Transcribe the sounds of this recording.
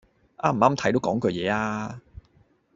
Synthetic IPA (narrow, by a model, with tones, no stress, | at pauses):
ʔaː˥m̩˨˩˨aː˥mt̪ʰɐ˨˥jt̪o˨˥kɔː˨˥ŋkɵ˧jɛː˨˧aː˧